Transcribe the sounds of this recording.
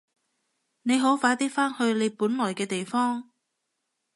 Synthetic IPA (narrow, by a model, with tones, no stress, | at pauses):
ne˨˧jɦo˨˥wfaː˨˥t̪iː˥faː˥nhɵ˧ɥle˨˧jpuː˨˥nlɔː˨˩jkɛː˧t̪e˨jfɔː˥ŋ